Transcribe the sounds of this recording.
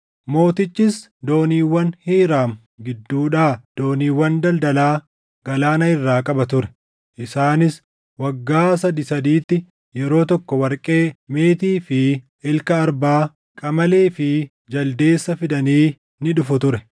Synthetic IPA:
mo̞ːt̪ɪt͡ʃʼːɪs | d̪o̞ːniːwːɐnhiːɾaːm | ɡɪd̪ːuːᶑaːd̪̥o̞ːniːwːɐnd̪ɐld̪ɐlaː | ɡ̥ɐlaːnɐɪrːaːkʼɐbɐt̪ʊɾɛ̥ | ʔɪsaːnɪs | wɐɡːaːsɐd̪ɪsɐd̪iːt̪ːɪ | jɛɾo̞ːt̪ɔkːɔwɐɾkʼe̞ːme̞ːt̪iːfɪ | ɪlkɐːɾbaː | kʼɐmɐle̞ːfɪ | d͡ʒɐld̪e̞ːsːɐfɪd̪ɐniː | nɪᶑʊfʊt̪ʊɾɛ

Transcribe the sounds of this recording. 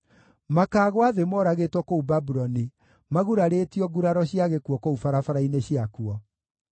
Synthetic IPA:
makaːɣwaðemɔɾaɣetwɔkoubabuɾɔni | maɣuɾaɾeːtiɔɡuɾaɾɔɕiaɣekwɔkoufaɾafaɾaineɕiakuɔ

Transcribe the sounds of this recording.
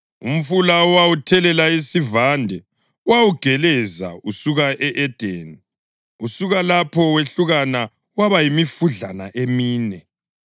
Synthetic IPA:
um̩fulaɔwawutʰɛlɛlaisivandʱɛ | wawuɡ̥ʱɛlɛza̰usuɣaʔɛʔɛd̥ʱeni | usuɣalapʰɔweɬuɣana | waβajimifuɮanaʔemiːnɛ

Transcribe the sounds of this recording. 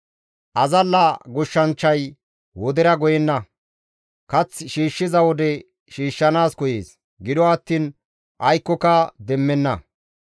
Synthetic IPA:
ʔɐzɐlːɐɡʊʃːɐnt͡ʃːɐj | wɔd̪ɛɾɐɡɔjɛnːɐ | kɐt͡sːʃiːʃːɪzɐwɔd̪ɛ | ʃiːʃːɐnaːskɔje̞̰ːs | ɡɪd̪ɔɐt̪ːiːn | ʔɐjkːɔkɐd̪ɛmːɛnːɐ

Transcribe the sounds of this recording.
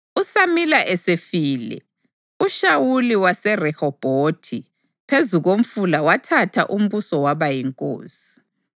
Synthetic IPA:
usamilaʔɛsefiːlɛ̰ | uʃawuliwasɛrɛhɔb̥ʱotʰi | pʰezuɣom̩fulawatʰatʰa̰ʔum̩βusɔwaβajiŋkʼo̰ːsi̥

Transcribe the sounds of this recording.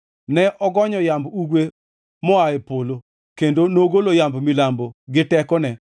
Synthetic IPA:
nɛʔɔɡɔɲɔjambuɡwe | mɔaepolo | kendonoɡolojambmilamboɡɪtɛkɔnɛ

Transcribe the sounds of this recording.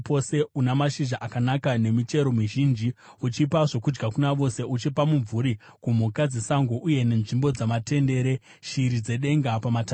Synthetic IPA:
po̞se̞unamaʃiʒaʔakanakane̞mit͡ʃe̞ɾo̞miʒind͡ʒi | ut͡ʃipaʐo̞kud͡ʒɡakunaʋo̞se̞ʔut͡ʃipamuɱvuɾi | kum̤ukad͡zesaŋɡoʔuje̞ne̞nʐimbo̞d͡zamate̞nde̞ːɾe̞ | ʃiɾid͡ze̞ɗe̞ŋɡapamata

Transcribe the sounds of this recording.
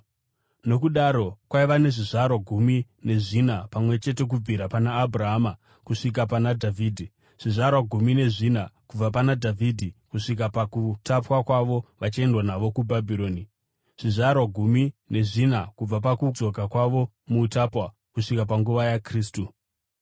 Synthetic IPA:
no̞kuɗaɾo̞kwaiʋane̞ʐiʐarwaɡʱumi | ne̞ʐinapamwe̞t͡ʃe̞te̞k̬ub͡viɾapanaːburaɦama | kuʂik̬apanadʱavʱiːdʱi | ʐ̥iʐaɾwaɡʱumine̞ʐinakub͡vap̬anadʱavidʱikuʂik̬apakutapwakwaʋo̞ʋat͡ʃie̞ndwanaʋo̞kubʱabʱiɾo̞ːni | ʐ̥iʐarwaɡʱumine̞ʐinakub͡vapakud͡zo̞ɡʱakwaʋo̞ | muːtapwa | kuʂikapaŋɡuʋajakriːstu

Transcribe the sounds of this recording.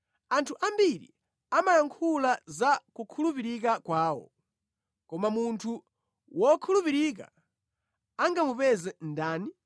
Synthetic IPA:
antʰuʔambiɾḭ | amajaŋkʰulazakukʰulupiɾik̬akwaːwɔ̰ | kɔmamuntʰu | wɔkʰulupiɾik̬a̰ | aŋɡamupɛzɛndaːni

